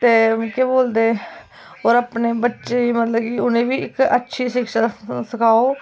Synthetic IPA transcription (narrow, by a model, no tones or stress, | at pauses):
t̪eːkeboːld̪eː | oːɾapneːbətːʃeːiːmət̪ləbkɪʊnẽːʋiːɪkətːʃʰiːʃɪkʃaːsəkʰaːoː